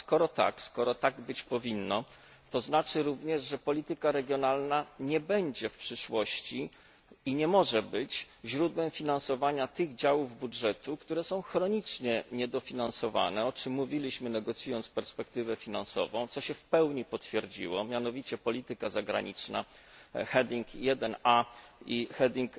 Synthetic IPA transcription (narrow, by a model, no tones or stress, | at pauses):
skɔɾɔt̪a̰kskɔɾɔt̪aɡbɘt͡ɕpɔvʲinːɔ | t̪ɔznat͡ʂɘɾuvɲɛʐʐɛpɔlʲit̪ɘkaɾɛɡʲjɔnalnaɲɛbɛɲd͡ʑɛfpʂɘʂwɔɕt͡ɕi | iɲɛmɔʐɛbɘt͡ɕ | ʑɾud̪wɛmfʲinansɔvaɲat̪ɘɣd͡ʑawuvbudʐɛt̪ukt̪uɾɛsɔ̃w̃xɾɔɲit͡ʂɲɛɲɛd̪ɔfʲinansɔva̰nɛɔt͡ʂɘmːuvʲilʲiɕmɘnɛɡɔt̪sʲjujɔnt̪spɛɾspɛkt̪ɘvɛfʲinansɔ̰vɔ̃w̃t̪sɔɕɛfpɛwɲipɔt̪fʲjɛɾd͡ʑḭwɔmʲjanɔvʲit͡ɕɛpɔlʲit̪ɘkazaɡɾa̰ɲit͡ʂna̰xɛd̪ʲiŋkjɛd̪ɛnaixɛd̪ʲiŋk